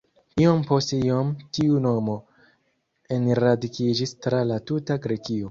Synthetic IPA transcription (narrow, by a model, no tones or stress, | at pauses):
iompo̞stiomtiuno̞mo̞ | enɾadikid͡ʒistɾalatutaɡɾe̞kio̞